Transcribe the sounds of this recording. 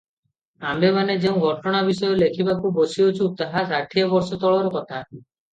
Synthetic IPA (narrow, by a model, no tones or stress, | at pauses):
ambemaned͡ʒeũɡʱɔʈɔɽ̃abisɔjolekʰibakubosiot͡ʃʰut̪aɦasaʈʰːiɔbɔɾsɔt̪ɔɭɔɾkɔt̪ʰa